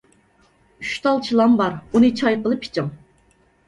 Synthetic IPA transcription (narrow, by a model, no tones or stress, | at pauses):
yʃt̪ʰɑlˠt͡ʃʰilˠɑmbɑɾunɨt͡ʃʰɑjqəlˠɨpʰi̥t͡ʃʰɪm